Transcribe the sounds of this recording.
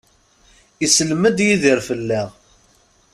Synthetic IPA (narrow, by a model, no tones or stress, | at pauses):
isəlməd̪jiðiɾfəlːæʁ